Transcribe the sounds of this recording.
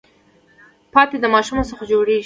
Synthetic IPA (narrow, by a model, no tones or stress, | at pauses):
pɑt̪ed̪əmɑʃumosəxad͡ʒoɽeʒi